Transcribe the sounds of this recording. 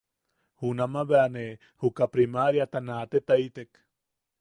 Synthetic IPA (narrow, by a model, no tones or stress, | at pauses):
hunamaβeane | hukapɾimaɾjat̪anat̪et̪ait̪ek